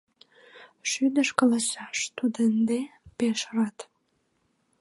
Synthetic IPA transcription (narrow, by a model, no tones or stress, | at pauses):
ʃyd̪əʃkəlɑsɑʃt̪ud̪ənd̪epeʃrɑt̪